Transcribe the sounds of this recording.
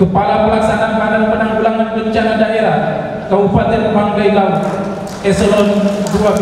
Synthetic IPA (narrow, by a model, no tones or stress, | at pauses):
kəpalapəlaksanamaɾanpənaŋbulaŋanbəɲt͡ʃanadaʔeɾa | kaufat̪ɪnəbaŋɡajla | ɛsəlɔnɡɾua